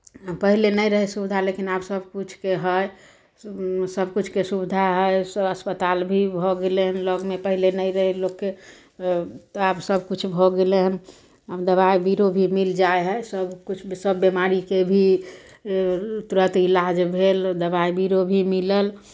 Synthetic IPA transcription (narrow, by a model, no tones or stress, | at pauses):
pəɦilenəjɾəɦɛsubid̪ʱalekinabsəbkut͡ʃʰkeɦəj | səbʱkut͡ʃʰkesubd̪ʱaɦəjsəəspət̪albʱibʱɔɡeleɦənləɡmepəɦilenəjɾəɦɛlokːe | t̪absəbkut͡ʃʰbʱɔɡeleɦən | ɦəmd̪əβajbiɾobʱimild͡ʒaeɦəjsəbkut͡ʃʰsəbːemaɾikebʱi | t̪uɾət̪ilad͡ʒbʱeld̪əbaibiɾobʱimiləl